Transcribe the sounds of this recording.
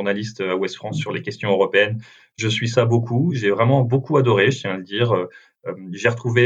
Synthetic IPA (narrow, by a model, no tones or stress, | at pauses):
uʁnalist̪øawɛst̪fχɑ̃sːyʁlekʲɛst̪jɔ̃øʁɔpeɛn | ʒəsɥisabokʰuʒɛvʁɛmɑ̃bokuad̪ɔʁeʒət̪jɛ̃ləd̪iːʁø | ømʒeʁət̪χuve